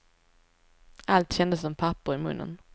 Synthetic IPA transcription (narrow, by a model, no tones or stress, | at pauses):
ʔalt̪ɕɛnd̪əsːɔmpʰapːʊɾɪmɵ̰nːə̰n